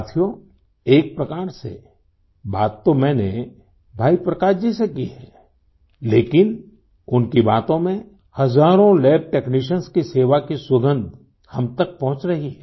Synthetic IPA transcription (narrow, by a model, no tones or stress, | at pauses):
t̪ʰjo | eːk̚pɾɐkaːɾsḛ | baːt̪ːomɛ̃ːne | bʱaːipɾɐkaːd͡ʒisekiɦɛː | leːkɪn | ʊnkibaːt̪õmẽ | hɐzaːɾõlɛːb̚ʈeːkniʃ̬ənskiseːʋakiswɐɡə̃nd̪ʱ | hɐmt̪ək̚pɐɦʊ̃t͡ʃɾɐɦiɦɛ